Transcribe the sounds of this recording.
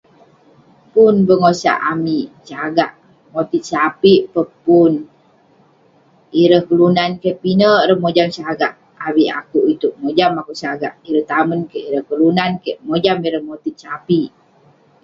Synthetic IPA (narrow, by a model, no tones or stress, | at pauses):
punbəŋosa̰ʔamit͡ʃaɡaʔ | mot̪it̪̚sapiʔpəpun | iɾəhkəlunankeʔpinəɾəhmod͡ʒamsaɡaʔ | awiʔa̰kuʔit̪uʔ̚mod͡ʒamakuʔsaɡa̰ʔiɾəht̪amənkeʔiɾəhkəlunankeʔmod͡ʒamiɾəhmot̪it̪̚sapiʔ